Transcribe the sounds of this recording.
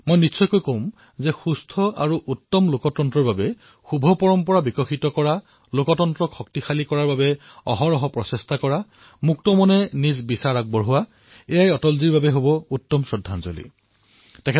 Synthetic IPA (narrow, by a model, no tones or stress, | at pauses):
mojnitsɔjkojkom | zɛxustʰɔa̰ɹuʔutːɔmlokɔtɔntɹɔɹbabɛ | xubʱɔpɔɹɔmpɔɹabikɔxitɔkɔɹa | lokɔtɔntɹɔxʰɔk̚tixalikɔɹaɹbabɛ | ɔ̰ɦɔɹɔɦɔpɹɔsestʰakɔɹa | muk̚tɔmɔnɛnizbisaɹak̚bɔɹɦʊwa | ejajɔtɔlziɹbabɛɦobɔutːɔmsɔdʱːanzo̰lḭ | tɛkʰɛ